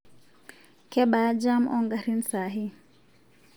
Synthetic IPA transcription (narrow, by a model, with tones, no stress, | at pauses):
kɛ˦ɓa˦d͡ʒa˦mʔɔŋɡa˨ɾi˦nsa˨ɦi˦